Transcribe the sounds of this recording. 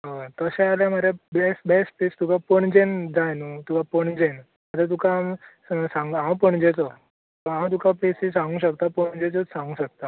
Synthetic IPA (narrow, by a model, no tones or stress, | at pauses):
ɦət̪əsɛ̃aljamaɾabesbɛspest̪ukʰapəɳd͡ʑend͡zajnət̪ukapəɳd͡ʑen | mat̪ət̪ukʰaːm | sãŋɡãwpəɳd͡ʑet͡sɔ | t̪oɦãwt̪̬ukʰapesisãŋɡũːɕəkt̪apəɳd͡ʑet͡sɔsãŋɡũːɕək̚t̪a